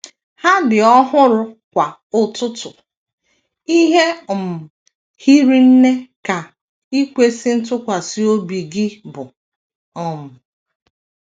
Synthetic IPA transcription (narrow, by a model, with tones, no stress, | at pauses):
ha˦dɪ˨ɔ˦ɦʊ˦ɾʊ˦kʷa˨ʊ˨tʊ˦tʊ˨ | i˦ɦe˦˨m̩˨ | hi˦ɾi˦n̩˦ne˦ka˨ | i˦kʷe˦sɪ˦n̩˦tʊ˦kʷa˨si˦o˦bi˨ɡɪ˦bʊ˨ | ɔ˨m̩˨